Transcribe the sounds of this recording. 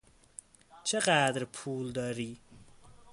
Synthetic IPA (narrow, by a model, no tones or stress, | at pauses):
t͡ʃʰəqaːd̪ɾpʰuːld̪ɐɾiː